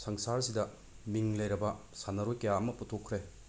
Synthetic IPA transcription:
sɐŋsaɾsidɐ | miŋlɐjɾɐbɐsanɐɾojkɐjaɐmɐputʰokʰːɾe

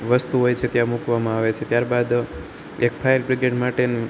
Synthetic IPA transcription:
ʋəst̪uɦojt͡ʃʰet̪jãmukʋamãaʋet͡ʃʰet̪jaɾbad̪ | ek̚fʰajəɾbɾiɡeɖmaʈen

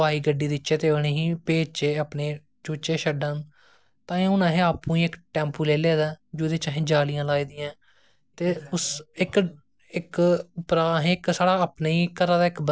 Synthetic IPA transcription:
aːiːɡəɖiːd̪ɪt͡ʃːeːt̪eːoɳeːɦiːpeːd͡ʒt͡ʃeːapneː | d͡ʒoːt͡ʃeːʃəɖən | t̪ãːẽʊ̃nãːɦẽːaːpːũːĩːɪkʈɛ̃ːmpuːleːleːd̪aːd͡ʒoːd̪eːt͡ʃaːɦẽːd͡ʒaːlɪjãːlaːiːd̪ɪjãː | t̪eːʊsɪk | ɪkʊpɾaːɦẽːɪksaːɽaːəpnaiːkəɾaːd̪aːɪkb

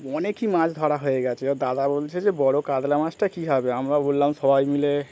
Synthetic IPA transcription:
ɔnekimãt͡ʃd̪ʱaɽaɦoeɡat͡ʃʰɛɔd̪ad̪abolt͡ʃʰɛd͡ʒebɔɽokad̪lamãd͡ʒʈakiɦabeɦəmɾabolːamsəbʱajmile

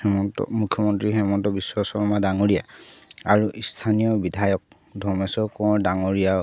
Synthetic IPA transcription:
ɛmɔntɔ̰mukʰjɔmɔntɹixɛmɔntɔbiswɔsɔɹmadaŋoɹijaaɹuʔistʰanijɔbidʱajɔk̚ | dʱɔɹmɛsɔkɔɔdaŋoɹija

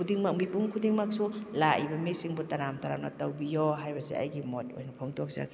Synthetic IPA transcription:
kʰudiŋmak̚mipuŋkʰudiŋmak̚sulaj̰bamisiŋbɔtaɾamtaɾamnatawbijɔɦajbasḭʔa̰jɡimɔt̚ɔ̰jnapʰɔŋtɔksa̰kʰ

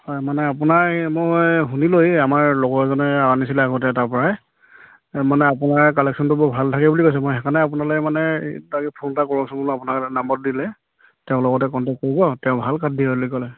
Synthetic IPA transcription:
hɔjmanɛapunaɹmojɦunilojamaɹlɔɡɔɹzɔnɛaanisilɛaɡɔt̬ɛtaɹpɔɹaɛ | manɛapunaɹkɔlɛksɔntʊbɔbʱaltʰakɛbulikojs̬ɛmɔjɦɛkʰanaap̬unaloɛmanɛdaɡɛpʰontakɔɹɔsubulapunaɹnambɔt̚dilɛ | tɛʊ̃lɔɡɔtɛkɔntɛk̚ːoɹibɔtɛʊ̃bʱalkadʱiɦɔlojkɔlɛ

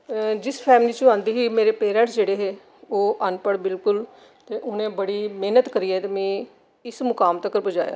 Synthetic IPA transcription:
d͡ʒɪspʰɛːmliːt͡ʃʊãːnd̪iːɦiːmeːɾeːpeːɾə̃ɳʈsd͡ʒeːɽeːɦeː | oːʔənpəɽbɪlkʊl | t̪eːʔʊnẽːbəɽiːmeːnət̪kəɾiːɛːt̪eːmɛ̃ː | ɪsmʊkaːmt̪əkəɾbəd͡ʒaːja̰ː

